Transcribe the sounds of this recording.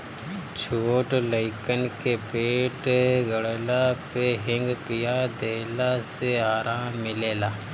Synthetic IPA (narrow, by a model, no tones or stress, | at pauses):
t͡ʃʰoːʈləɪkənkepeːʈɡəɽelapeɦɪ̃ŋɡpijad̪eːlaseaːɾaːmːɪleːlaː